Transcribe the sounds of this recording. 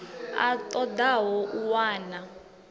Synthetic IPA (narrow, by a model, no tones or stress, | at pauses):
a̰tʼɔd̪aɦɔʔuwaːna